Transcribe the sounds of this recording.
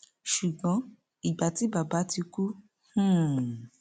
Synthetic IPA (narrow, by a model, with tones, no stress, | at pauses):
ʃu˨ɡ͡bɔ̃˨˦ | i˨ɡ͡ba˨ti˨˦ba˨ba˨˦ti˧ku˦ | hũ˦˨